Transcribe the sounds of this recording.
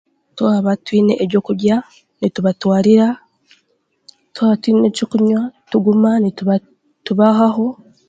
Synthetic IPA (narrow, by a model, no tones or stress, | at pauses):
twaːβatwiːne̞ʔeɾɟo̞ːkuɾɟa | nituβatwaːɾiɾa | tuwaβatwiːnecokuɲwatuɡumanitβa | tuβaɦaɦo̞